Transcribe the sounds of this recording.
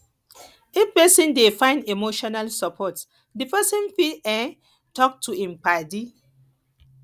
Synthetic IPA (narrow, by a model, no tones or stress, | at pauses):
epɛsĩndefãɪ̃ndemoʃɔnalsɔpʰɔt | dipɛsĩnfiɛ̃n | tʰɔk̚tʰuĩmpadi